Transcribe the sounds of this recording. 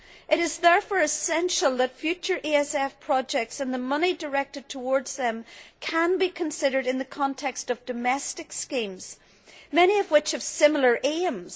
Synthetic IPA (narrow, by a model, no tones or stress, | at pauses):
ʔɨɾɨzðɛɹfɔɹɨsɛ̃nʃəlˠðətfjʉt͡ʃə˞ʔiɛsɛfpʰɹ̥ɔd͡ʒɛk̚tsə̃nðəmʌnidə˞ɛk̚tɨd̚tʰəwɔɹdz̥ðə̃mkʰə̃nbikʰə̃nsɪɾə˞ɾɨ̃nðɨkʰɑ̃ntʰɛkstʌvdɨmɛstɨkskĩmz̥ | mɛñiʌvwɪt͡ʃəv̥sɪ̃ml̩ˠə˞ʔẽmz̥